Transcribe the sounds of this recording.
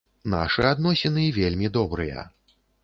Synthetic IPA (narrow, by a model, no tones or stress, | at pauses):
na̰ʂɨad̪nɔsʲɛnɨvʲelʲmʲid̪ɔbɾɨjɐ̰